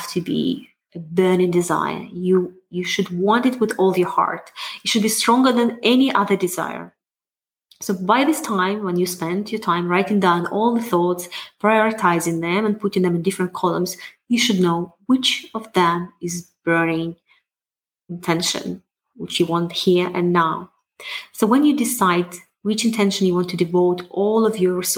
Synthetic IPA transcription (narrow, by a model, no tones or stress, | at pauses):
ftʰɨbḭ | əbɜ˞nɪ̃ŋdɨza̰ɪə̰˞ju | jɨʃɨd̚wɑ̃ntɨt̚wɪðɔlˠjə˞hɑ̰ɹtɪtʃɨd̚bistɹɔ̃ŋɡə˞ðæ̃nʔɛniʔʌðə˞dɨza̰ɪə̰˞ | soʊbaɪðɪstʰãɪ̃mwɛ̃njɨspɛ̃ndʰjə˞tʰãɪ̃mɹaɪtɪ̃ŋdãʊ̃nɔlˠðəθɔtspʰɹ̥aɪjɔɹɨtʰaɪzɪ̃ŋðɛ̃mə̃npʰʊɾɪ̃ŋðɛ̃mɨ̃ndɪfɹə̃nt̚kʰɔlˠə̰̃mzjɨʃɨdⁿnoʊwɪt͡ʃʌvðɛ̃mɪzb̥ɛnɪ̃ŋ | ɪ̃ntʰɛ̃nʃɨ̰̃n | wɪt͡ʃjɨwɑ̃nthiɹɨ̰̃nːaʊ | soʊwɛ̃njɨdɪsaɪd | wɪt͡ʃɨ̃ntʰɛ̃nʃɨ̃njɨwɑ̃ntʰɨdɨvoʊɾʔɔlˠɔvjɔ˞s